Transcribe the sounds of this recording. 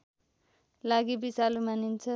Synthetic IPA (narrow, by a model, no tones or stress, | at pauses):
laɡibisalumanint͡sʰʌ